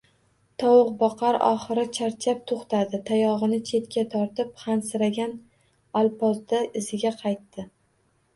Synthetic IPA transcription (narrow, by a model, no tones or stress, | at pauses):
t̪ʰɒwʊqbɒqʰɑɾɒ̰χɨɾɪt͡ʃʰaɾt͡ʃʰap̚t̪ʰoχt̪ʰad̪ɪt̪ʰajɒʁɨnɪt͡ʃʰe̞t̪̚kʲat̪ʰɒɾt̪ɪp̚χansɪɾaɡʲan | alˠpɒzd̪aɪzɪɡʲaqʰɑjt̪ːɪ